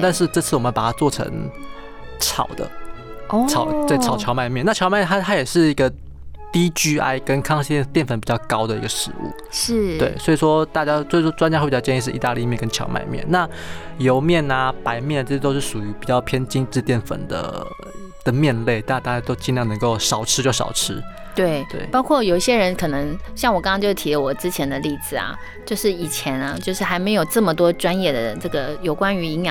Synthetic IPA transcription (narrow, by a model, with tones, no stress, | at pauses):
t̪a˥˧nʂɻ̩˥˧ʈ͡ʂɤ˥˧t͡s̩ʰ˥˩wmə˦˥pa˨˩a˥t͡swɔ˥˨˩ʈ͡ʂʰə̰˧˥ŋ | ʈ͡ʂʰɑ˨˩ʊd̪ə̰˦ | ɑ˨˩ʊt͡sa˥˩ɪʈ͡ʂʰɑ˨˩ʊt͡ɕʰjɑ˧˥ʊma˥˧ɪmjɛ˥˨na˥˩ɑ˧˥ma˥˧jt̪ʰa˥˧˩t̪ʰa˥jɛ˨˩ʂɻ̩˥˩i˧˦ɡə˨ | t̪i˦t͡ɕy˥a̰˥˧ɪkə˦nkʰɑ˥˧ŋɕi˧˥˩t̪jɛ˥˨nfə˨npi˨˩t͡ɕjɑ˥˩ʊkɑ˦ʊd̪ə˨ḭ˧˥ɡə˨ʂɻ̩˧˥ṵ˥˩˥t̪wḛ˥˩ɪswɔ˧˥i˨˩ʂwɔ˦t̪a˥˧t͡ɕja˦˥swʂwɔ˥ʈ͡ʂwa˥nt͡ɕja˥xpt͡ɕɑ˥˧t͡ɕɛ˥˧i˧ʂɻ̩˥˩i˧t̪a˥˧li˥˧mjɛ˥˨nkə˦nt͡ɕʰjɑ̰˧˥ʊma̰˥˧ɪmjɛ̰˥˨nna˥˨˩jo˧˥ʊmjɛ˥˨na˩pa˧˥ɪmjɛ˥˩n˨ʈ͡ʂɤ˥˩ɕʰjɛ˥t̪o˥ʊʂɻ̩˥˩ʂu˨˩y˧˥pi˨˩t͡ɕɑ˥˩ʊpʰjɛ˥nt͡ɕi˥ŋʈ͡ʂɻ̩˥˧t̪jɛ˥˩nfə̰˨˩nd̪ə̰˦ | d̪ə˦mjɛ˥˧nle˥˩ɪt̪a˥˩˥t̪a˥˩t͡ɕja˥t̪o˥ʊt͡ɕi˥˧nljɑ˥˩ŋnə˧˥ŋko˥˩ʊʂɑ˨˩ʊʈ͡ʂʰɻ̩˥t͡ɕjʊʂɑ̰˨˩ʊʈ͡ʂʰɻ̩˥ | t̪we˥˩ɪt̪wḛ˥˩ɪpɑ˥ʊkʰwɔ˥˩jo˨˩ʊi˥˩ɕjɛ˥ɻə˧˥nkʰɤ˨˩nɤ˧˥˦ŋɕjɑ˥˩ŋwɔ˨˩kɑ˥ŋɑ˥ŋt͡ɕjo˥˩ʊt̪ʰi˧˥lə˧wɔ˨˩ʈ͡ʂɻ̩˥t͡ɕʰjɛ˧˥nd̪ə˧li˥˩d͡zɹ̩˨˩ɐ̰˩ | t͡ɕjo˥˧ʊʂɻ̩˥˩i˨˩t͡ɕʰjɛ˧˥nɐ˧t͡ɕjo˥˧ʂɻ̩˥˩xa˧˥ɪme˧˥ɪjo˨˩ʊʈ͡ʂɤ˥˩mə˩t̪wɔ˥ʈ͡ʂwa˥njɛ˥˩d̪ə˩ʈ͡ʂɤ˥˩ɡə˩jo˨˩ʊkwa˥ny˧˥i˧˥ŋj